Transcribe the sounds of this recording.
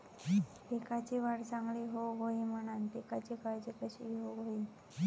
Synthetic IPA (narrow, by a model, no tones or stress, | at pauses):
t̪ekat͡ɕiʋaɽt͡sãŋɡɭiɦoɦoim̤əɽ̃ant̪ekat͡ɕikajt͡ɕikəɕiɦoɦoiː